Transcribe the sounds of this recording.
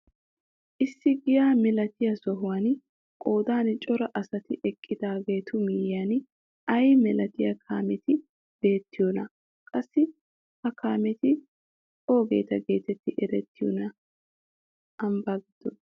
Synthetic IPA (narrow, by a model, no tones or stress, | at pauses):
ʔɪsːɪɡɪjaːmɛlɐt̪ɪjɐsɔɦʊwan | kʼo̞ːd̪aːnt͡ʃʼɔɾɐʔɐsɐt̪ɪʔɛkʼːɪd̪aːɡe̞ːt̪ʊmɪjːan | ɐjmɛlɐt̪ɪjɐkʰa̰ːmɛt̪ɪ | b̥e̞ːt̪ːɪjɔnɐ | kʼɐsːɪ | ʔɐkʰaːmɛt̪ɪ | o̞ːɡe̞̰ːt̪ɐɡe̞ːt̪ɛt̪ːɪʔɛɾɛt̪ːɪjɔ̰nɐ | ɐmbaːɡɪd̪̥ɔ